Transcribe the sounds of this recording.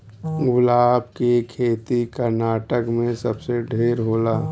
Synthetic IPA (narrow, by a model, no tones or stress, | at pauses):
ɡʊlaːb̚kekʰeːt̪ikəɾnaːʈəkmẽsəbseɖʱeːɾɦoːlaː